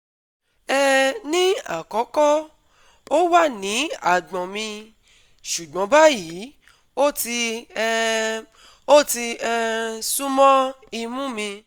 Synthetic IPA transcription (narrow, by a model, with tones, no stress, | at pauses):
ɛ˦nĩ˦a̰˦˨kɔ˨˦kɔ˦ | o˦wa˦˨nĩ˨˦a˦˨ɡ͡bɔ̃˨mĩ˧ | ʃu˨ɡ͡bɔ̃˨˦ba˦ji˨˦ | o˦ti˧˦ | o˦ti˧ɛ˧sũ˦mɔ̃˦ | i˧mũ˦mĩ˧